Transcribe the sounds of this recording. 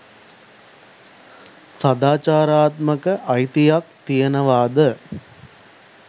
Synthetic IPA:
sad̪aːt͡ʃaːɾaːt̪məkəʔɐjt̪ijak̚t̪ijənəʋaːd̪ə

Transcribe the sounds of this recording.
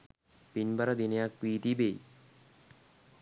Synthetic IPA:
pinbaɾad̪ineak̚piːt̪ibej

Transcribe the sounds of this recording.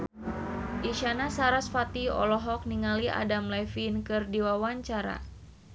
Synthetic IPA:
ʔiʃanasaɾasfat̪iɔ̰lɔɦɔk̚niŋalia̰damlɛfinkɨrdiwawaɲt͡ʃaɾa̰

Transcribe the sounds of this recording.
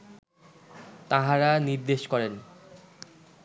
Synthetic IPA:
t̪aɦaɾaniɾd̪eʃkɔɾen

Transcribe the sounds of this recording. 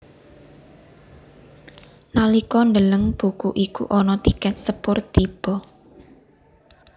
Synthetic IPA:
nalikɔnd̪ələŋb̥ukuʔikṵʔɔnɔt̪ikɛt̪̚səpʊrt̪ib̥ɔ

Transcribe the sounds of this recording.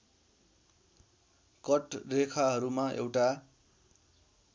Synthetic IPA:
kʌʈrekʰaɦʌɾumaḛwʈa

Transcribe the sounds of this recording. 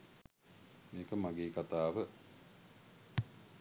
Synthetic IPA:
meːkəmaɡeːkat̪aːʋə

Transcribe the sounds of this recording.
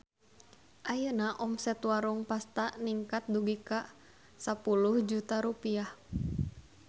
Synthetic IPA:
ʔajənaʔɔmsɛt̪waɾuŋpast̪aniŋkat̪̚duɡikaʔ | sapuluhd͡ʒut̪aɾupiah

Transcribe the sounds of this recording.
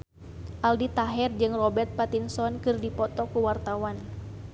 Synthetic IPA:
ʔaldit̪aɦɛrd͡ʒɨŋrɔbɛrt̪̚pat̪insɔnkɨrdipɔt̪ɔkuwart̪awan

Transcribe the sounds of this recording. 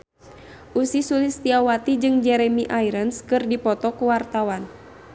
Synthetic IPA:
ʔusisulist̪iawat̪id͡ʒɨŋd͡ʒɛɾɛmiʔaiɾənskɨrdipɔt̪ɔkuwart̪awan

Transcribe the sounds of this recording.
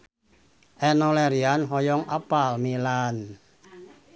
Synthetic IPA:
ʔɛnɔlɛɾianɦɔjɔŋʔa̰palmilan

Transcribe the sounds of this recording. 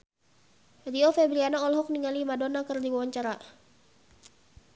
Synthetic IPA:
riɔfebɾianaɔlɦɔk̚niŋalimadonakɨrdiwwaɲt͡ʃaɾa

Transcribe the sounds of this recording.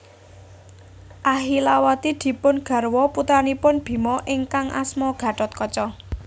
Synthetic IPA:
ʔaɦilawat̪id̪̥i̤pʊnɡ̥ä̤rwɔput̪anipʊnb̥i̤mɔʔɪŋkaŋʔa̰smɔɡ̥ä̤ɖɔt̪̚kɔt͡ʃɔ

